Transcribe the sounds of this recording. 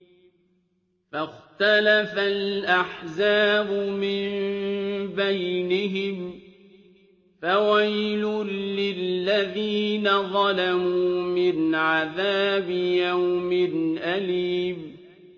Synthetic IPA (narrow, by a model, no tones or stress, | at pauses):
faxt̪alafalʔaħzaːbʊmɪm | bajnɪɦɪm | fawajlʊlɪlːaðiːnaðˤɑlamuuːmɪnʕaðaːbɪjawmɪnʔaliːb